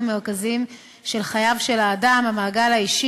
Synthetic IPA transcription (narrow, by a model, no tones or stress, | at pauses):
meʁkazim | ʃe̞lχajavʃe̞laːdamamaːɡalaiʃi